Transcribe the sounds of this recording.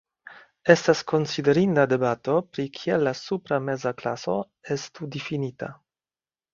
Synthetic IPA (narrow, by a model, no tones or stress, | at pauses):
estaskonsideɾindadebato̞pɾikʰialasupɾamezaklaso̞̰ | estudifinita̰